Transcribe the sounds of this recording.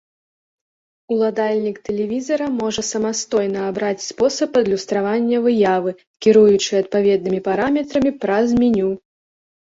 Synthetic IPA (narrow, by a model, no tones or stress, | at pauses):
ulˠad̪alʲnʲikt̪ɛlʲɛvʲizɐɾɐmɔʐɐsɐmast̪ɔjn̪ɐːbɾat͡sʲspɔsɐpɐd̪lʲust̪ɾavanʲːɐvɨjavɨ | kʲiɾujut͡ʂɨɐt̪̚pavʲɛd̪̚nɨmʲipaɾamʲɛt̪ɾɐmʲipɾɐzmʲinʲu